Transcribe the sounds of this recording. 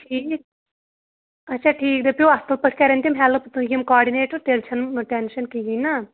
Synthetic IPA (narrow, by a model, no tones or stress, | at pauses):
ʈʰiːk̚ | ɐtːʃʰaːʈʰiːk̚d̪epoast̪ɐlpɐʈʰkɐɾent̪imɦɛːlopt̪ujimkaːɖineːʈəɾʈ̪elt͡ʃʰɐnʈenʃɐnkiɡijnaː